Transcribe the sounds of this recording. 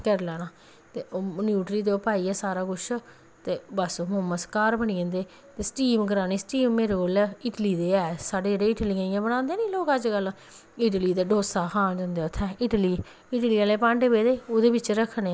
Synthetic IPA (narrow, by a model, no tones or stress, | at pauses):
kəɾlɛːnaː | t̪eːoːnjuːʈɾiːt̪õːpaːiːɛːsaːɾaːkʊʃʰ | t̪eːbəsomõːməskaːɾbəniːə̃ːnd̪eː | t̪eːsʈiːmkəɾaːniːsʈiːmːeːɾekoːlɪʈliːd̪eːɛːsaːɖeːd͡ʒeɖeːɪʈliːãːĩãːbəñãːnd̪eːnĩːloːkəd͡ʒɡəl | ɪʈliːd̪eːɖoːsaːkʰãːnd͡ʒə̃ːnd̪eːʊt̪ʰːɛːɪʈliː | ɪʈliːaːleːpãːɳɖebeːd̪eːoːd̪eːbɪt͡ʃɾəkʰːneː